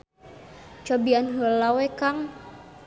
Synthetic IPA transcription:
t͡ʃɔbianɦəlawɛkaŋ

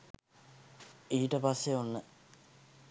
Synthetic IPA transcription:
iːʈəpasːeonːə

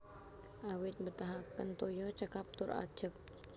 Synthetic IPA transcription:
ʔawɪt̪̚bət̪aɦakənt̪ojɔt͡ʃəkap̚t̪ʊra̰̥d͡ʒək̚

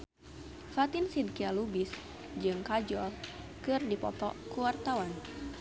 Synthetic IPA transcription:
fat̪ɪnsid̪̚kialubɪs | d͡ʒɨŋkad͡ʒɔl | kɨrdipɔt̪ɔ̰kuwart̪awan

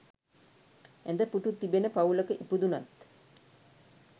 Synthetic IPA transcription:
end̪əpuʈut̪ːibenəpauləkəʔipud̪unat̪

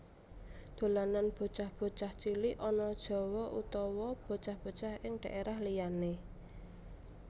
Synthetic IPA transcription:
d̪̥o̤lananb̥o̤t͡ʃahb̥o̤t͡ʃaht͡ʃiliʔɔnɔd̥ʒ̥ɔ̤wɔʔut̪ɔwɔb̥o̤t͡ʃahb̥o̤t͡ʃahɪŋɖ̪̥a̤ʔeɾahlijane

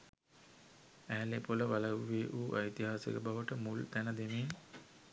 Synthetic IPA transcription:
æːlepoləʋaləʋːeːʔuːʔajit̪iɦaːsḛkəbaʋəʈəmult̪ænəd̪emeː

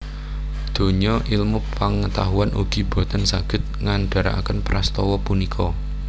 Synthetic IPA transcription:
d̪̥o̤ɲɔʔilmupəŋət̪aɦuanʔṵɡ̥i̤b̥o̤t̪ansaɡ̥ɪ̤t̪̚ŋanɖ̥a̤ɾa̰a̰kənpɾʔast̪ɔwɔpunikʰɔ

